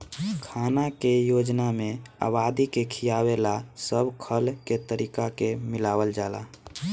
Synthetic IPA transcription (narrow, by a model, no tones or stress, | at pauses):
kʰaːnakejod͡ʒnamẽa̰bad̪ikekʰijawelasəbkʰəlket̪əɾiːkakemɪlaːwəld͡ʒaːla̰